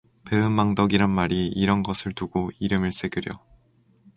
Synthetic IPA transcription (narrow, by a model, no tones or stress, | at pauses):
pe̞ɯmːaŋdʌɡiɾanmaɾiːɾʌnɡʌsʰɯɭtuɡoiɾɯmɯɭs͈e̞ɡɯɾjʌ